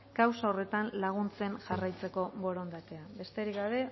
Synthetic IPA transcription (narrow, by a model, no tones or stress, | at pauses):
kawsao̞re̞t̪anlaɣ̞unt͡se̞nʝarajt͡se̞ko̞βo̞ɾo̞nd̪at̪e̞abe̞st̪e̞ɾikɡaβe̞